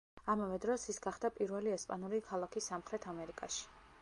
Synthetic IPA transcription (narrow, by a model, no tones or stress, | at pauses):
amavɛd̪ɾɔsisɡaχd̪apʼiɾvɛliɛspʼanuɾikʰalˠakʰisamχɾɛt̪ʰamɛɾikʼaʃi̥